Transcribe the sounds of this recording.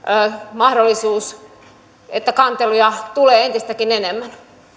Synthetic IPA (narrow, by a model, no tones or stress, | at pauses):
mɑhdolːisuːs | et̪ːækɑnt̪elujɑt̪uleːent̪ist̪ækinenemːæn